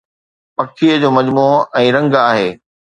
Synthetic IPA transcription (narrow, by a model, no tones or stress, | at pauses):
pɐkʰiəd͡ʑoːmɐd͡ʑmuːɛ̃ːɾɐ̃ŋɡaːɦeː